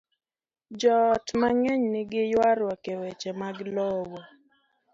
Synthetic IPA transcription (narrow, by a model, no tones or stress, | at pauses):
d͡ʒɔtmaŋɛɲnɪɡɪjwaɾwakɛwɛt͡ʃɛmaɡlɔwɔ